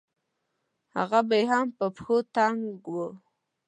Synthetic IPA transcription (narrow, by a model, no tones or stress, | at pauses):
ha̰ɣabajɦampəpxot̪aŋɡɡwə